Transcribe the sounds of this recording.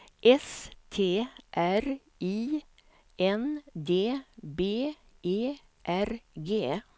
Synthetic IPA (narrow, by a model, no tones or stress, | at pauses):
ʔɛst̪ʰeːʔæɾ | iː | ɛnd̪eːbeː | ʔeː | ʔæɾɡeː